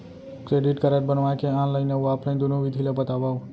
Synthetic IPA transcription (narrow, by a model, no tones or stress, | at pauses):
kɾeɖiʈkəɾeʈ̚bənʋajkeãləineuapɾəĩd̪unũʋid̪ʱilebət̪aʋaũ